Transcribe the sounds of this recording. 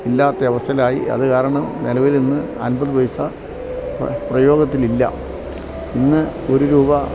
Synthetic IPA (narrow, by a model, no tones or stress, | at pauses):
ilːaːt̪ːɐɐʋɐst̪ʰɐlaːjḭɐ̰ðɨkaːɾɐɳɐmnelɐʋilninːɨ | ɐ̰nbɐðɨʋɐjusɐ | pprɐjo̞ːɡɐt̪ːililːɐ̰ | inːɨ | o̞ɾuɾuːbɐ